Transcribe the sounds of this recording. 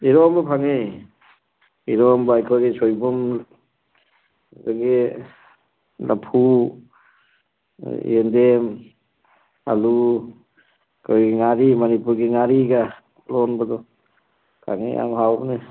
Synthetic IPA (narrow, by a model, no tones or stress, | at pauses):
iɾɔmbɔpʰaŋe | iɾɔmbaajkʰɔjɡisɔjbum | zaɡe | la̰pʰu | endem | a̰lu | kʰojɡiŋaɾimanipuɾɡiŋaɾiɡa | lɔnbadɔ | pʰa̰ŋḛa̰mhawbne